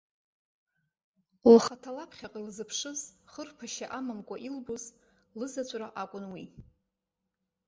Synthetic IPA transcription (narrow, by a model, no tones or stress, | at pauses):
waχatʰalapʰχʲaqʼilzɨpʰʂɨzχərpʰaʃaʔamamkʷʼaʔilbuz | lɨzat͡ɕʷʼraʔakʷʼʊnwi